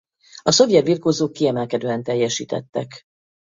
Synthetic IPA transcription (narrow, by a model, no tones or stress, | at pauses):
ɒso̞vjɛt̪̚biːrkoːzoːkːiɛmɛlkɛd̪øːɛnt̪ɛjːɛʃḭːt̪ɛ̰t̪ːɛ̰k